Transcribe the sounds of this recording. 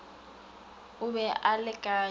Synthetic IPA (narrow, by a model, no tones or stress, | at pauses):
ʊbɛʔalɪɡ̥ʱʼa